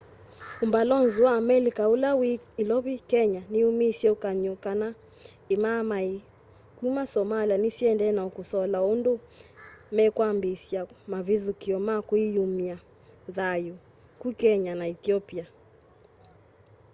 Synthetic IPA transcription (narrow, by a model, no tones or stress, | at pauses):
umbalɔnziwaːmɛlikaulawiːlɔβikɛɲaniumisjɛukaɲokana | emamai | kumasɔmalianisiɛndɛnaɔkusɔlaondo | mɛkwambesjamaviðukiɔmakwijumia | ðaju | kukɛɲanaɛθiɔpia